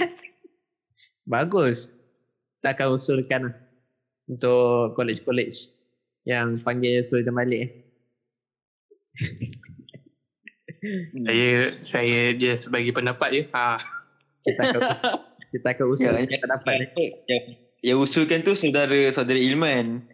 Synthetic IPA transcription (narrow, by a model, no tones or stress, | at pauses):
baɡʊs | ki̥t̪aːkanusʊlkanlah | unt̪ʊʔkolɛt͡ʃkolɛt͡ʃ | jaŋpaŋɡɪlsulit̪ambalɪʔ | ajəsajad͡ʒiasəbaɡipəndapat̪̚jua | kit̪a | kit̪aːkanusʊapəndapat̪̚akəʔjaŋ | jaŋusulkant̪usawdaɾəsawdaɾəilman